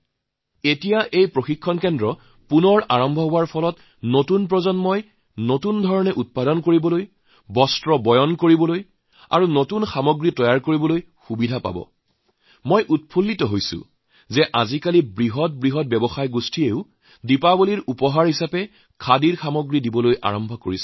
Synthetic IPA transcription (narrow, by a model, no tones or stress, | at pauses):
etijaʔejpɹoxikʰːɔnkɛndɹɔ | punɔɹaɹɔmbʱɔɦoaɹpʰɔlɔt | notunpɹɔzɔnmɔj | notundʱɔɹɔnɛʔut̚padɔnkoɹibɔloj | bɔstɹɔbɔjɔnkoɹibɔloj | a̰ɹunotunxamoɡɹitɔjaɹkoɹibɔloj | xubidʱapa̰bɔ̰ | mojʔut̚pʰulːitɔɦojsʊ̰ | zɛʔazikalibɹiɦɔt̚bɹiɦɔt̚bɛbɔxajɡustʰieʊ | dipaboliɹupɔɦaɹɦisapɛ | kʰadiɹxamoɡɹidibɔlojʔa̰ɹɔmbʱɔko̰ɹis